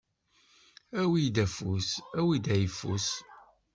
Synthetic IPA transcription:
æwid̪æfusæwid̪æjəfːus

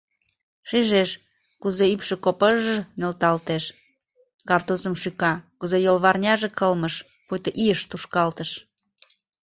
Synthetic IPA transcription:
ʃiʒeʃ | kuzeypʃĕkopəʒnølt̪ɑlt̪eʃ | kɑrt̪osəmʃykɑkuzejolβɑrnʲɑʒekəlməʃ | pujt̪oʔijəʃt̪uʃkɑlt̪əʃ

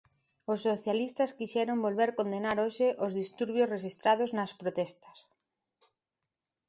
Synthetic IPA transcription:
osːoθjalist̪ɐskiʃɛɾombolβeɾkond̪enaɾoʃɪʔozðist̪uɾβ̞josreʃ̬ist̪ɾað̞oznɐspɾot̪ɛst̪ɐ̥s

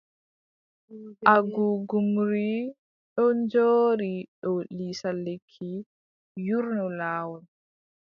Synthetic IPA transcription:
ʔʔaɡuɡumɾi | ɗɔnd͡ʒoːɾiɗɔlisalːekʰːi | juɾnɔlaːwɔn

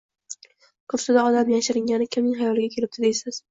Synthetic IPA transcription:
kʰɵpsɪd̪aɒd̪amjaʃɪɾɪŋɡʲanɪkʲʰɪmnɪŋɦajɒlɪɡʲakʲʰe̞lɪp̚d̪̥ɪd̪ejsɪz̥

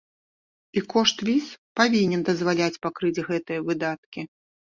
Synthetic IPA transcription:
ikɔʂt̪vʲispavʲinʲɛnd̪ɐzvalʲat͡sʲpakɾɨd͡zʲɣɛt̪ɨjɐvɨd̪at̪̚kʲi

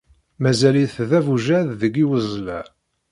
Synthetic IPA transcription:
mæzæliθðævuʒæððəɡːiwəzˤlæ

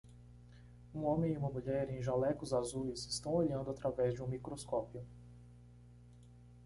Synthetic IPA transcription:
ũõmẽj̃iũmɐmuʎɛɾẽj̃ʒalɛkʊzazujzɪst̪ɐ̃w̃oʎɐ̃nd̪ʊat̪ɾavɛzd͡ʒɪũmikɾoskɔpiʊ

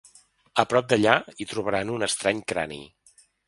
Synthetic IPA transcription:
əpɾɔp̚d̪əʎait̪ɾuβəɾanunəst̪ɾaɲkɾa̰nḭ

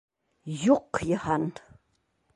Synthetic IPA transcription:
juqːjəhan

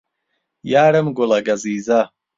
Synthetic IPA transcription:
jaːɾəmɡʊlɐɡɐziːzɐ

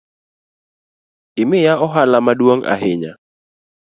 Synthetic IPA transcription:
ɪmɪjaɔɦalamadwoŋa̰ɦɪɲa̰

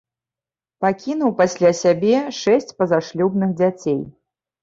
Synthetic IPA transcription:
pakʲin̪uwpasʲlʲasʲabʲɛʂɛsʲt͡sʲpɐzaʂlʲubnɨxd͡zʲat͡sʲej

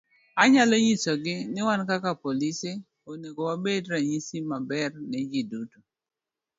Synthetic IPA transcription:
aɲaloɲisɔɡɪnɪwankakapolise | oniɡowabedɾaɲisimabɛrnɛd͡ʒiduto̥

